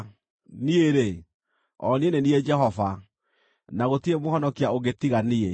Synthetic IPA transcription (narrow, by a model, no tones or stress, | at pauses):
nieɾe | ɔnienenied͡ʒɛɦɔva | naɣotiemohɔnɔkiaoɣetiɣanie